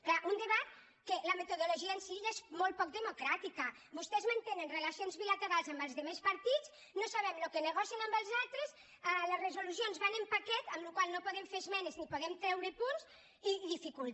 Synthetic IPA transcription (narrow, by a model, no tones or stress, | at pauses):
klaʔund̪eβat̪̚ | keləmet̪oðoloʒiəensiiʎezmolt̚pɔk̚d̪emukɾat̪ikə | bust̪ɛzmant̪enenrelasionzβilat̪eɾalˠzambəlˠzðemespaɾt̪it͡s | nosaβɛmlokeneɣ̞ɔsjənambəlˠzalˠt̪ɾes | aləzrezulus̬ionzβanəmpakɛt̪əmlukwalˠnopoðɛmfezmɛneznipoðɛmt̪ɾɛwɾepunz | iðifikul